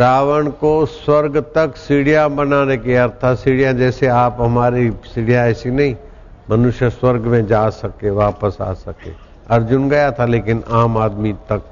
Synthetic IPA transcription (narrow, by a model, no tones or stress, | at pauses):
ɾaːʋəɳ̃koswɐɾɡt̪ɐksiːɽijabɐnaːnekiɐɾt̪ʰasiːɽijãd͡ʒɛːseaːpɦɐmaːɾisiːɽijaɛːsinɐɦĩ | mɐnʊʃjəswɐɾɡmẽd͡ʒaːsɐkeʋaːpəsa̰ːsɐkḛː | ɐɾd͡ʒʊnɡɐjat̪ʰaleːkɪnaːmaːd̪mit̪ɐk̚